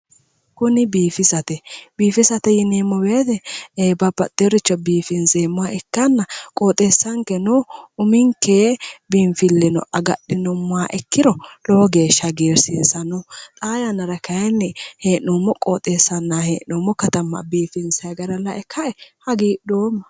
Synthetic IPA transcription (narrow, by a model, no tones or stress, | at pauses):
kʊnɪbiːfɪsɐt̪ɛbiːfɪsɐt̪ɛjɪneːmːɔbeːt̪ɛeːbɐbɐt̪ːɪɔɾɪt͡ʃːɔbiːfɪnsemːʊwaʔɛkːɐnːɐkʼoːt̪ʼeːsːɐŋkɛnɔʊmɪŋkeːbɪnfɪlːɛnɔ̰ʔɐɡɐɗːɪnɔmːʊwaʔɛkːɪɾɔlɔɔɡe̞ːʃːɐɡeːɾsɪsɐnʊt̪ʼaːjɐnɐɾɐkɐjɛnːɪheːʔɔːmːɔkʼoːt̪ʼesːɐnːaːheːnɔːmːɔkɐt̪ɐmːɐ̰biːfɪnsɐɡɐɾɐlɐʔɛkʰːɐʔɛhɐɡiːɗoːmːɐ